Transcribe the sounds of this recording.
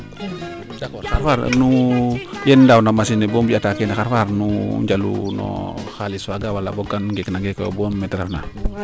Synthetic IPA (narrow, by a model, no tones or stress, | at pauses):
dakɔaɾfaɾnu | jɛndawnamasinɛbɔmbiatakɛnaxaɾfaɾnuɲd͡ʒalṵnɔ̰xaliswaɡawalabɔɡanɡɛknaŋɡɛka̰buamːɛtɾafna̰